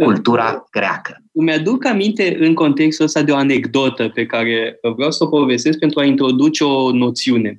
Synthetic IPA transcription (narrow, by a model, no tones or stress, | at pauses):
kult̪uɾa̰ɡ̥ɾea̰kʰə̥ | mead̪ukamint̪e̞ʔɨŋko̞nt̪e̞kst̪uəst̪ad̪eo̞ane̞ɡd̪o̞t̪əpe̞kaɾe̞əvɾeawsəopo̞ve̞st̪e̞s̬k̚pe̞nt̪ɾuaint̪ɾo̞d̪ut͡ʃeo̞no̞t̪siune̞